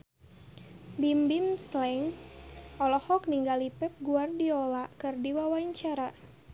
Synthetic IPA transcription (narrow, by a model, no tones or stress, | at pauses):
bimbimslɛŋ | ɔlɔhɔk̚niŋɡalipɛp̚ɡuardiolakɨrdiwawaɲt͡ʃaɾa